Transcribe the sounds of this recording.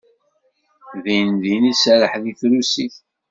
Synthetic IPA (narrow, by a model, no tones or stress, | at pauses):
ðinðinisəɾəħðiθɾusiθ